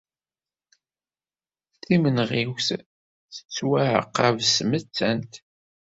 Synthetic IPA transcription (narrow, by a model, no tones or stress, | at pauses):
θimənʁiwθ | θə̥t͡sːwaʕə̰qːævsmət͡sːænt̪